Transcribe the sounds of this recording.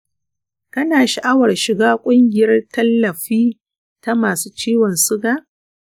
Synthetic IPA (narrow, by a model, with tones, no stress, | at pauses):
kɐ˦naː˨ʃa˨ʔa˦wɐ˨rʃɪ˨ɡaː˦kʷʼʊ˦ŋɡʲɪ˨jɐ˦rtɐ˦lːɐ˨ɸiː˦ | ta˦maː˨suː˦t͡ʃiː˦wɔ˨nsʊ˦ɡaː˦˨